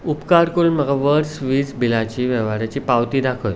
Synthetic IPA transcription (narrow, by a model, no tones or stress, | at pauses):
upkaɾkəɾuːnməɡaʋəɾsʋiːd͡zbilat͡ɕiːʋɛʋaɾjat͡ɕiːpawt̪iːd̪akʰoj